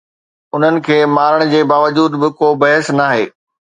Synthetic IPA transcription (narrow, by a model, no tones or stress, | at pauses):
ʊn̤ənɪ̆kʰeːmaːɾəɽ̃d͡ʑeːbaːʋəd͡ʑuːd̪bɪkoːbɐɦəsnaːɦḛː